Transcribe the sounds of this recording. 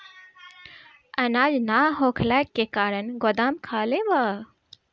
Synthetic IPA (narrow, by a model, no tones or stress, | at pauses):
ɐnaːd͡ʒnaːɦoːkʰlaːkːekaːɾənɡod̪aːmkʰaːleʋaː